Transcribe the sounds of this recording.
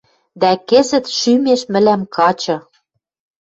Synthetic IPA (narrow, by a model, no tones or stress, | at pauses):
d̪ækĕzɘ̆t̪ʃymeʃmɘ̆læmkɑt͡ɕɤ̆